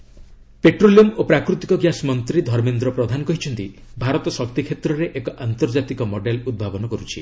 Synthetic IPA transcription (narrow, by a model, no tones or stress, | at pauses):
peʈɾoliɔmopɾakɾut̪ikɔɡjasmɔnt̪ɾid̪ʱɔɾmend̪ɾɔpɾɔd̪ʱanɔkɔɦit͡ʃʰɔnt̪ibʱaɾɔt̪ɔsɔk̚t̪ikʰet̪ɾɔɾeʔekɔʔant̪ɔɾd͡ʒat̪ikɔmɔɖelud̪̚bʱabɔnɔkɔɾut͡ʃʰḭ